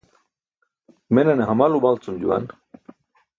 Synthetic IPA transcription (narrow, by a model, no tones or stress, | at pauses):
meneneɦamaluβalt͡sund͡ʑṵa̰n